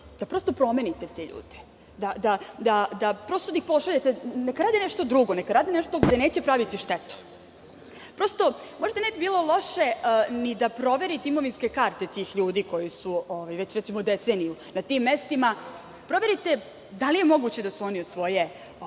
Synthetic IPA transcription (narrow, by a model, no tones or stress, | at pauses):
d̪̥apɾo̞ːst̪o̞pɾo̞me̞nit̪et̪eʎṵːd̪e̥ | d̪ad̪ad̪ad̪apɾo̞st̪od̪ixpo̞ʃaʎet̪enekaɾaːd̪inɛʃt̪o̞d̪ɾuɡonekaɾaːd̪inɛʃt̪o̞ɡd̪ene̞ːt͡ɕepɾaʋit̪iʃt̪et̪u̥ | pɾo̞st̪o̞mo̞ʒd̪anebibiːlo̞lˠo̞ʃe̞nid̪apɾo̞ʋe̞ɾit̪eimoʋinskekaɾt̪et̪iːxʎuːd̪iːko̞jisuoʋajʋet͡ɕɾɛt̪simod̪et̪senijunat̪imːest̪ima | pɾo̞ʋe̞ɾit̪e | d̪alijemo̞ɡut͡ɕed̪asuoniod̪sʋo̞je̞